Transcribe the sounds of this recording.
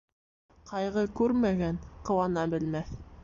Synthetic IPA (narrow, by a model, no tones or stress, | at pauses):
qɑjʁɤkʉɾmæɡænqɤ̆wɑnɑbɘ̆lmæθ